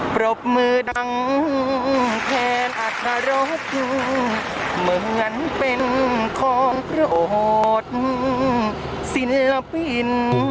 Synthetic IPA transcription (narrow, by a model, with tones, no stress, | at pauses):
pɾo˧˩p̚mɯː˧da˧ŋ˧k̪ʰɛː˧nʔa˧˩kʰa˧ɾo˦˥t̪̚ɯ˧ | mɯ˨˧˩hɯ˧ənpe˧nkʰɔː˨˩˦ŋpʰɾɯ˧˨ʔo˨˩ɦo˧t̪̚mɯ˧ | si˧˥nla˧pi˧˩n